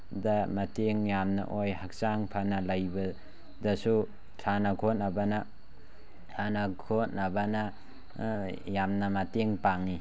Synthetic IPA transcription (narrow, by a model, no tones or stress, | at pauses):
dɐmɐteŋjamnɐ̰ʔojhak̚saŋpʰɐnɐlajbɐ | dɐsu | tʰanɐkʰot̚ɐbɐnɐ | tʰanɐkʰotnɐbɐnɐ | jamnɐmɐteŋpaŋi